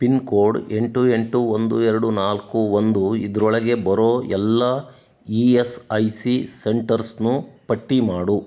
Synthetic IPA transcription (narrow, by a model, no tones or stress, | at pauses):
pinkoːɾɖe̞ɳʈue̞ɳʈuond̪uɛɾɐɽunaːlkuond̪uid̪ɐɾɔɭɐɡe̞bɐɾoːɛlːɐ | iesɐjsiseɳʈɐɾsnupɐʈːimaːɽu